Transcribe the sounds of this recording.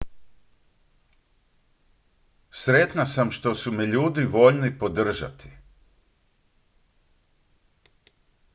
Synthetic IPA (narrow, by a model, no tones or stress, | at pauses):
sɾet̪nasamʃt̪o̞sumɛʎuːd̪iʋo̞ʎnipo̞d̪r̩ʒa̰t̪i̥